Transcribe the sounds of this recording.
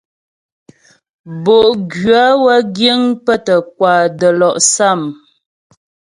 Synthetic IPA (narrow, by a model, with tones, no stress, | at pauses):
bo˨ʔɡɥa˨˦wə˦ɡjə˦ŋpə˦tə˨k̚wa˨də˨lɔ˨ʔsa˦˨m